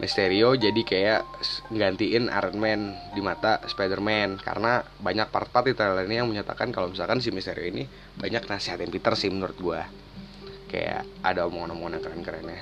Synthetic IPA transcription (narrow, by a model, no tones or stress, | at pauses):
mʔist̪eɾiod͡ʒadikajaʔŋɡant̪iɪna̰ɾənmɛndimat̪aspadərmɛnka̰rna | baɲak̚pərt̪at̪̚it̪əɾalainijaŋməɲat̪a̰kankalomisalkans̬imist̪eɾioini | baɲak̚nasiɦat̪anpit̪ərsɪhmənuɾʊt̪̚ɡua | ka̰ja̰ʔ | a̰daomɔŋnɔmɔŋnakəɾankəɾana